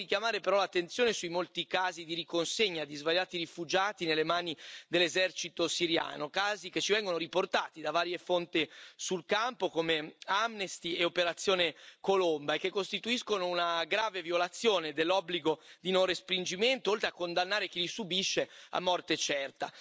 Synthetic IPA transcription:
ikjamaːɾepeɾɔlat̪ːent̪sjoːnesujmolt̪ikaːzid̪iɾikonseɲːad̪izvaɾjaːt̪iɾifud͡ʒaːt̪inelːemaːnid̪elːezɛrt͡ʃit̪osiɾja̰ːnokaːziket͡ʃːivɛŋɡonoɾiport̪aːt̪id̪avaːɾjefont̪isulkampokomeamnest̪ieopeɾat̪sjoːnekolombaek̟ːekːost̪it̪uiskonounaɡɾaːvevjolat̪sːjoːned̪elːɔbːliɡod̪inonrespɾind͡ʒiment̪oolt̪ɾeakːond̪anːaːɾek̟ilisubiʃːea̰mːɔrt̪et͡ʃɛrt̪a̰

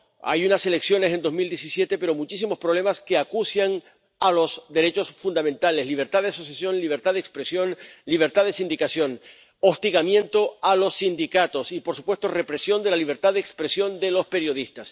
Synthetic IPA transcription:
a̰junase̞le̞ksjo̞ne̞se̞nd̪o̞zmild̪je̞sisje̞t̪epe̞ɾo̞mut͡ʃis̬imo̞spɾole̞maske̞akusjaŋ | alo̞sd̪e̞ɾe̞t͡ʃo̞sfund̪amẽ̞nt̪ale̞zliβ̞e̞ɾt̪aðeaso̞sjasjo̞nliβ̞e̞ɾt̪aðekspɾesjonliβ̞e̞ɾt̪aðe̞sind̪ikasjo̞ŋ | o̞st̪iɣamjẽ̞nt̪o̞alo̞sːind̪ikat̪o̞sipo̞ɾsu̥pwe̞st̪o̞re̞pɾe̞sjo̞nd̪e̞laliβ̞e̞ɾt̪aðekspɾe̞sjo̞nd̪e̞lo̞speɾjo̞ð̞ist̪as

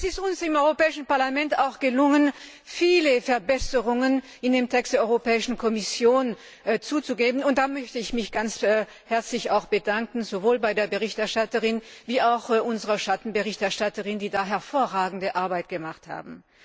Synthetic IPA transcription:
ɛsɪstʊnsɪmʔɔʏʁopɛːɪʃn̩paɐlamɛntaʊxɡ̥əlʊŋən | fiːləfɛɐbɛsəʁʊŋən | ɪndeːmtʰɛkstd̥eɐɔʏʁopɛːɪʃn̩kʰɔmɪsjoːn | t͡suːt͡suɡeːbn̩ʊnt̚d̥aːmœçtəɪçmɪçɡ̥ant͡sː | hɛɐt͡slɪçaʊxb̥ədaŋkn̩zovoːlbaɪdeːɐbəʁɪçtɛɐʃtatəʁɪnviːaʊxʔʊnzəʁɐʃatn̩bəʁɪçtɛɐʃtatəʁɪndiːdaːɦɛɐfoːɐʁaːɡŋ̩dəʔaɐbaɪt̚ɡ̥əmaχtha̰ːbm̩

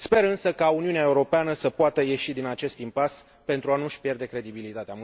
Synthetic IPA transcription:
spe̞ɾɨnsəkauniuneae̞uɾo̞peanəsəpoat̪əje̞ʃid̪inat͡ʃe̞st̪impas | pe̞nt̪ɾuanuʃʲpje̞rd̪e̞kɾe̞d̪ibilit̪at̪eam

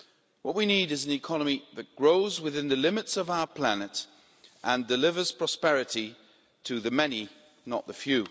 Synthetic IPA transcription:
wʌt̚winiɾɨzn̩ɨkʰɑnəmiðɨt̚ɡ̥ɹoʊzwɨðɪ̃nðɨlɪ̃mɨtsʌvaʊə˞pʰl̥ænɨt | ʔə̃ndɨlɪvə˞z̥pʰɹ̥ɑspɛɹɨti | tʰɨðɨmɛni | nə̰ʔ̪̚ðəfjʉ

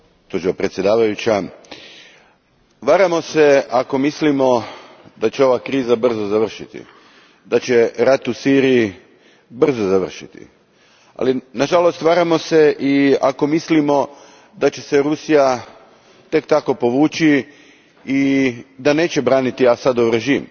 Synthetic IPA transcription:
t̪oʒiʋapɾet̪sjed̪aːʋajut͡ɕa | ʋaːɾamo̞se̞ako̞mislimo̞ | d̪at͡ɕeo̞ʋakɾiːzabr̩zozaʋr̩ʃit̪ḭ | d̪at͡ɕe̞ɾat̪usiːɾiji | br̩zozaʋr̩ʃit̪ḭ | a̰linaʒalo̞st̪ʋaːɾamo̞se̞ʔia̰ko̞mislimo̞ | d̪at͡ɕe̞se̞ɾusija | t̪e̞kt̪ako̞po̞ʋuːt͡ʃi | id̪ane̞ːt͡ɕe̞bɾaːnit̪iasad̪oʋɾe̞ʒiːm

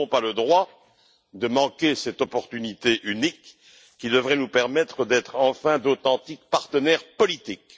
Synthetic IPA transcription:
ɔ̃paləd̪ʁwa | d̪əmɑ̃kʲesɛt̪ɔpɔʁt̪ynit̪eʔynikː | id̪əvʁɛnupɛʁmɛt̪χəd̪ɛt̪χɑ̃fɛ̃d̪ot̪ɑ̃t̪ik̚paʁt̪ənɛʁpɔlit̪ik

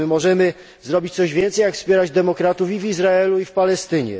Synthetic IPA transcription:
mɔʐɛmɘ | zɾɔbʲit͡ɕt̪sɔʑvʲjɛnt̪sɛjakfspʲjɛɾad͡ʑd̪ɛmɔkɾat̪ufivizɾaɛluifpalɛst̪ɘɲɛ̰

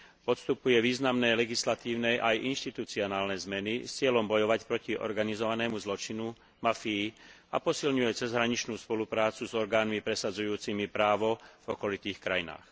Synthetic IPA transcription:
pɔt̪st̪upujɛʋiːznamnɛjlɛɡislat̪iːʊnɛjʔajʔinʃt̪it̪ut͡siɔnaːlnɛjzmɛnist͡sɪɛlɔmbɔjɔʋacpɾɔciʔɔ̰ɾɡanizɔʋanɛːmuzlɔt͡ʃinu | mafiː | a̰pɔsilɲujɛt͡sɛzɦɾaɲit͡ʃnuːspɔlupɾaːt͡suzɔɾɡaːnmipɾɛsad͡zujuːt͡simipɾaːʋɔv̥ɔkɔlit̪iːxkɾajina̰ːx

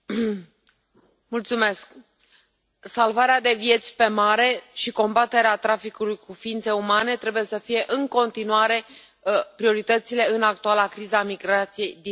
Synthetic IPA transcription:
mult̪sume̞sk | salvaɾead̪e̞vje̞t̪sʲpe̞maɾe̞ʃiko̞mbat̪e̞ɾeat̪ɾafikulujkufiint̪se̞umane̞t̪ɾe̞buje̞səfije̞ʔɨŋko̞nt̪inuaɾe̞ | pɾio̞ɾit̪ət̪sile̞ɨnak̚t̪ualakɾizamiɡɾat̪sije̞jd̪i

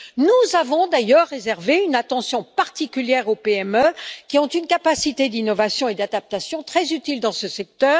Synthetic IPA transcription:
nuzavɔ̃d̪ajœʁːezɛʁveynat̪ɑ̃sjɔ̃paʁt̪ikʲyljɛʁopeɛmøkʲiɔ̃t̪ynkapasit̪ed̪inɔvasjɔ̃ed̪ad̪ap̚t̪asjɔ̃t̪χɛzyt̪ild̪ɑ̃səsɛk̚t̪œːʁ

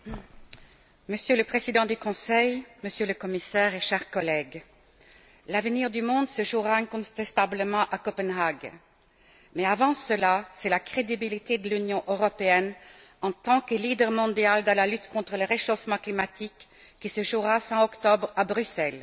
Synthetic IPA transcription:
məsjøləpχezid̪ɑ̃d̪ykɔ̃sɛjməsjøləkɔmisɛʁeʃɛʁkɔlɛɡ | lavniʁd̪ymɔ̃d̪səʒuʁaɛ̃kɔ̃t̪ɛst̪abləmɑ̃ʔakɔpɛnɦaɡ | mɛavɑ̃səlasɛlakχed̪ibilit̪ed̪əlynjɔ̃ʔøʁɔpeɛnɑ̃t̪ɑ̃kəlid̪ɛʁmɔ̃d̪jald̪ɑ̃lalyt̪kɔ̃t̪χələʁeʃofmɑ̃klimat̪ʰikːisəʒuʁafɛ̃ɔkt̪ɔbʁabʁysɛl

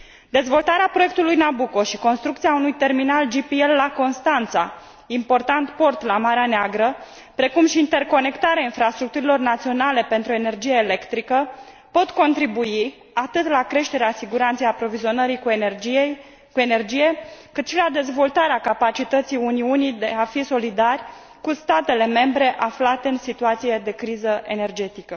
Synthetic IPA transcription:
d̪e̞zvo̞lt̪aɾeapɾo̞jek̚t̪ulujnabuko̞ʃiko̞nst̪ɾukt̪siaunujt̪e̞rminald͡ʒipie̞lːako̞nst̪ant̪sa | impo̞rt̪ant̪po̞rt̪lamaɾeaneaɡɾə | pɾe̞kumʃiːnt̪e̞rko̞ne̞kt̪aɾeainfɾast̪ɾukt̪uɾilo̞rnat̪sio̞nale̞pe̞nt̪ɾuene̞rd͡ʒijeelekt̪ɾikə | po̞t̪ko̞nt̪ɾibui | at̪ɨt̪lakɾe̞ʃt̪e̞ɾeasiɡuɾant̪sejapɾo̞vizio̞nəɾik | kue̞ne̞rd͡ʒije̞kɨt̪ʃilad̪e̞zvo̞lt̪aɾeakapat͡ʃit̪ət̪sijuniunid̪e̞afiso̞lid̪arʲ | kust̪at̪e̞le̞me̞mbɾe̞ʔaflat̪e̞ɨnsit̪uat̪sije̞d̪e̞kɾizəʔe̞ne̞rd͡ʒe̞t̪ikə

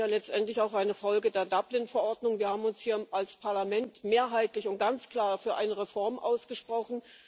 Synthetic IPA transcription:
aːlɛt͡stʔɛntlɪçaʊxʔaɪnəfɔlɡədeːɐdablɪnfɛɐʔɔɐdnʊŋviːɐhaːbm̩ʊnshiːɐalspʰaɐlamɛntmeːɐɦaɪtlɪçʊnt̚ɡ̥ant͡skl̥aːɐfyːɐʔa̰ɪnəʁefɔɐmʔa̰ʊsɡ̥əʃpʁ̥ɔχn̩

